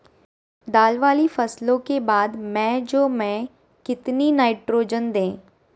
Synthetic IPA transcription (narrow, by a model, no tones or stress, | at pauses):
d̪aːlʋaːlifɐslõkebaːd̪mɛ̃ːd͡ʒoːmɛ̃ː | kɪt̪ninaːɪʈɾoːd͡ʒənd̪ẽː